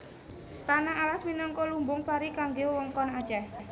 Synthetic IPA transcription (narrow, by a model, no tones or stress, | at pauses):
t̪anaalasminɔŋkɔlumbʊŋpaɾikaŋɡewɔŋkɔnḁd͡ʒah